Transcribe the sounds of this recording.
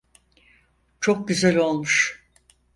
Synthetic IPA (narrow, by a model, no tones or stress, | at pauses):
t͡ʃʰo̞k̚ɟyzælʲo̞lˠmuʃ